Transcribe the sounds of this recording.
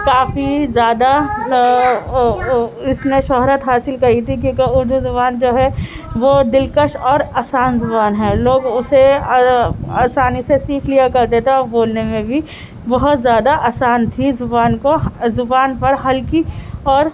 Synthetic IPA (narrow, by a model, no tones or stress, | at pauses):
kaːfizjaːd̪a | ɪsnẽʃɔɦɾət̪ɦaːsɪlkɐɦit̪ʰik̬jõːkiʊɾd̪uzʊbaːnd͡ʒoːɦɛ | ʋoːd̪ɪlkəʃɔːɾaːsaːnzʊbaːnɦɛ̃ːloːɡʊse | aːsaːnisesiːkʰlijakɐɾd̪eːt̪aɔːɾboːlnemẽbʱi | bɐɦʊt̪zjaːd̪aʔaːsaːnt̪ʰizʊbaːnkozʊbaːnpɐɾɦɐlkiɔːɾ